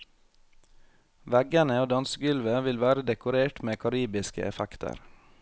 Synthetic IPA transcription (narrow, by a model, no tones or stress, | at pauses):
ʋæɡənəoːd̪ɑnsəɡʉlʋəʋɪlʋæːɾəd̪ɛkʊɾeːʈmeːkʰɑɾiːbɪskə̰ʔɛfækt̪ʰə̰ɾ